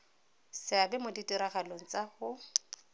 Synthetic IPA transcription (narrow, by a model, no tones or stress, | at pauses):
sɪabɛmoditʼiɾaχaloŋ̩t͡sahʊ